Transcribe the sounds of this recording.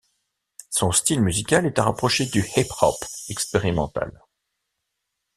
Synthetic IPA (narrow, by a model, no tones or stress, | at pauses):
sɔ̃st̪ilmyzikʲalɛt̪aʁapχɔʃed̪yhiphɔ̰pɛkspeʁimɑ̃t̪a̰l